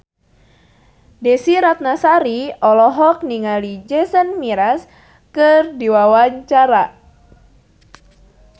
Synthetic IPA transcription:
dɛsiɾat̪̚nasaɾiɔlɔɦɔk̚niŋalid͡ʒɛsənmiɾas | kɨrdiwawaɲt͡ʃaɾa

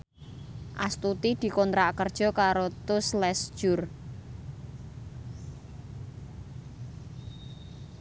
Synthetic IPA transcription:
ʔa̰st̪ut̪id̪̥i̤kɔnt̪ɾaʔkərd̥ʒ̥ɔ̤kaɾot̪ʊslɛsd̥ʒ̥ʊr

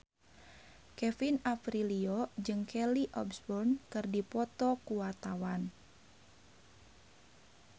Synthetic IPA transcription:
kɛfinafɾiliɔd͡ʒɨŋkʰɛliʔɔ̰bsbɔrnkɨrdipɔt̪ɔkuwart̪awan

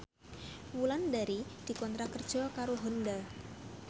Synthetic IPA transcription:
wulandaɾid̥i̤kɔnt̪ɾakərd̥ʒ̥ɔkaɾoɦɔnda

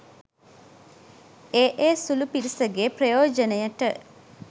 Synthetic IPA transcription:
eːʔeːsulupiɾisəɡeːprəjoːd͡ʒənəjəʈə

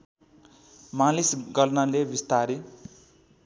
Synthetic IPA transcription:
mãlisɡʌlnalebist̪aɾi

